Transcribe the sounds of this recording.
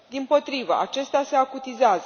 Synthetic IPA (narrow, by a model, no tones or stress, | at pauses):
d̪impo̞t̪ɾivə̰ʔa̰t͡ʃe̞st̪ease̞akut̪izeaz